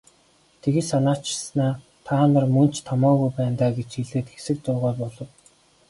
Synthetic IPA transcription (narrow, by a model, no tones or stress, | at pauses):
t̪ʰeɣĭsanaːt͡ɕɪ̥̆snaː | t̪ʰaːnə̆rmɵn̥t͡ɕt̪ʰɔmɔːɣujpæːnt̪aːɡet͡ɕiɮeːt̪xesɘ̆k̚t̪ʊːʁɔːpɔɮɞ̆w